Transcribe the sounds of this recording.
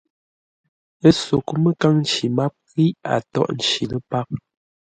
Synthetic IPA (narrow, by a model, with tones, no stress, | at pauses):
ə˦so˨ku˦mə˦ka˦ŋn̩˦t͡ʃi˨ma˦p̚ɣi˦a̰˨tɔ̰˦˨ʔn̩˨t͡ʃi˨lə˦pa˦k̚